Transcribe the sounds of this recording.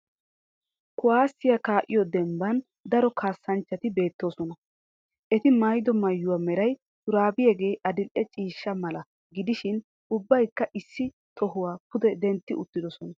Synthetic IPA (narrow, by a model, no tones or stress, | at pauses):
kʊwaːsːɪjɐkaːʔɪ̰jɔd̪ɛmbɐn | d̪ɐɾɔkʰaːsːɐnt͡ʃːɐt̪ɪbe̞ːt̪ːo̞ːsɔnɐ | ʔɛt̪ɪmɐjd̪ɔmɐjːʊwaːmɛɾɐj | t̪ʊɾaːbɪjeɡe̞ːʔɐd̪ɪlʔɛt͡ʃʼiːʃːɐmɐlɐ | ɡɪd̪ɪʃɪn | ʊbːɐjkːɐʔɪsːɪ | t̪ʰɔɦʊwaːpʊd̪ɛd̪ɛnt̪ːɪʔʊt̪ːɪd̪ɔsɔnɐ